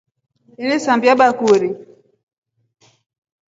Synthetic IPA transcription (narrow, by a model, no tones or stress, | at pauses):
ɛnɛsambjaɓakuɾi